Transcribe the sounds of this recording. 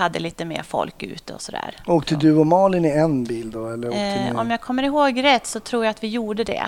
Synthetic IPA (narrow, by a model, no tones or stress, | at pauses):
ad̪ːəliːt̪əmḛːɾfɔ̰lkʉ̟̰ːt̪əɔsɔd̪æ̰ːɾoːkt̪ʰəd̪ʉɔmɑːlɪnɪɛnbiːld̪ɔɛlːəɾɔ̰mjaːɡkʰɔmːəɾɪɦoːɡɾɛt̪ːsɔt̪ʰɾuːjaat̪vɪjuːɖəd̪ɛ̰